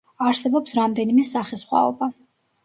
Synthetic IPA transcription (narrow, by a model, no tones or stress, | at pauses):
aɾsɛbɔpsɾamd̪ɛnimɛsaχisχwa̰ɔ̰ba